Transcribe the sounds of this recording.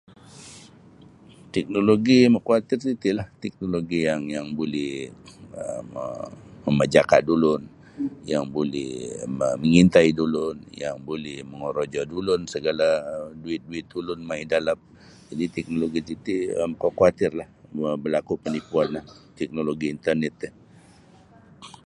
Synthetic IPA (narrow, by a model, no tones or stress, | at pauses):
t̪ɛk̚noloɡiməkuat̪ɪrsit̪iʔlaht̪ɛk̚noloɡijaŋjaŋbolɛhəməːəməd͡ʒaka̰ʔdulʊn | jaŋbolɛ̰hməməŋint̪aidulʊnja̰ŋbolɛhməŋoɾod͡ʒɔdulʊnsəɡaladuɪt̪̚duɪt̪̚dulʊnmaidalap̚ | d͡ʒadit̪ɛk̚noloɡisit̪iəmkokuat̪ɪrlahəbərlakupənipuanlaht̪ɛk̚noloɡiːnt̪ərnɛt̪ɛ